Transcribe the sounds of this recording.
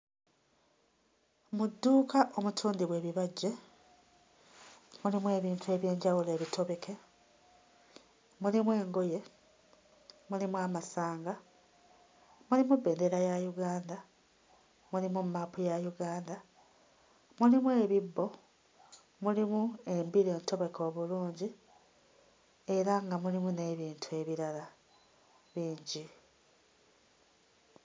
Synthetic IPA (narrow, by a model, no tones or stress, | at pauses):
mudːuːkaʔo̞mutʰuːndiβwe̞βiβaɟːe̞ | mulimwe̞ːβiːntue̞βje̞ːɲɟawule̞ːβitʰo̞βe̞kʰe̞ | mulimwe̞ːŋɡo̞je̞ | mulimwamasaːŋɡa | mulimubːe̞ːnde̞ɾajajuɡaːnda | mulimummaːpujajuɡaːnd̪a | mulimwe̞ːβibːo̞ | mulimue̞mbiɾe̞ːnto̞βe̞ko̞ːβuluːɲɟi | e̞ɾaŋɡamulimune̞βiːntʰue̞βiɾala | βiːɲɟi